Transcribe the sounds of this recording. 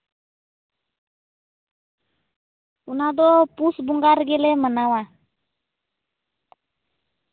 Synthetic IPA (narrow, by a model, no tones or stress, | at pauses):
unadɔpusbuŋɡarɡɛlɛmənawa